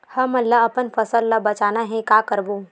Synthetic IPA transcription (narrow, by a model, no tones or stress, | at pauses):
hɐmɐlːaɐpənfɐsəlːabɐt͡ʃaːnaɦɛ̃kaːkəɾboː